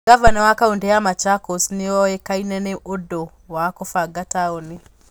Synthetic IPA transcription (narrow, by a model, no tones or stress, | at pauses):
ɡavanɛwakaundɛamat͡ʃakosniɔɛkainɛnɛʔodɔ | wakɔfaɡataɔni